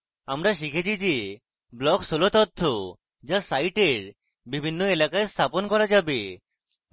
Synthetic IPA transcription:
amɾaʃ̬ikʰet͡ɕʰid͡ʑe | blɔksolot̪ot̪ʰːo | d͡ʑasajʈeɾ | bibʱinːoelakaest̪ʰaponkɔɾad͡ʑabe

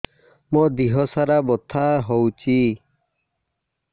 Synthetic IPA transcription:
mɔd̪iɦɔsaɾabɔt̪ʰaɦɔwt͡ʃʰi

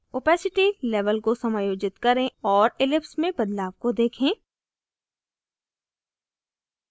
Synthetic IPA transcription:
opɛːsɪʈilɛːʋəlkosɐmaːjoːd͡ʒɪt̪kɐɾẽɔːɾɪlɪpsmẽbɐd̪laːʋkod̪eːkʰẽː

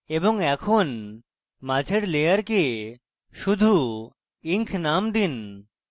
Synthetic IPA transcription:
eboŋɛkʰon | mad͡ʒʱeɾlejaɾke | ʃud̪ʱu | iŋkʰnamd̪in

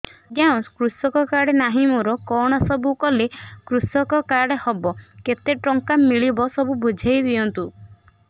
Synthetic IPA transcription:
ɡjaw̃skɾusɔkɔkaɽenaɦimɔɾɔkɔɽ̃ɔsɔbukɔlekɾusɔkɔkaɽehɔbɔket̪eʈɾɔŋkamiɭibɔsɔbubʱud͡ʒʱajd̪iɔnt̪u

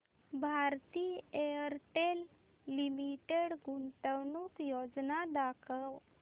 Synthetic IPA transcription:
bʱaɾt̪iːejəɾʈelː | imiʈeɽɡuɳʈəwnuːkjod͡znad̪akʰəw

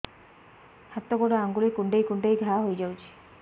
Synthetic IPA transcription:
k̪ʰat̪ːɔɡɔɽeaŋɡulejkuɳɖejkuɳɖejɡʱaɦojd͡ʒawt͡ʃʰi̥

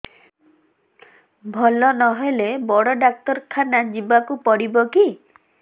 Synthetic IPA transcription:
bʱɔlɔnɔɦelebɔɽɔɖak̚t̪ɔɾkʰanad͡ʒibakupɔɽibɔki

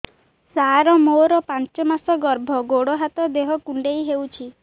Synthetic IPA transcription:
saɾɔmoɾɔpãnt͡ʃɔmasɔɡɔɾbʱɔɡoɽɔɦat̪ɔd̪eɦɔkuɳɖejɦewt͡ʃʰi

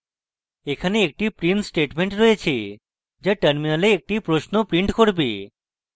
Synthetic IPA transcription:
ekʰaneek̚ʈipɾinsʈeʈmeɳʈɾɔet͡ɕʰe | d͡ʑaʈəɾminaleːk̚ʈipɾoʃnopɾiɳʈkoɾbe

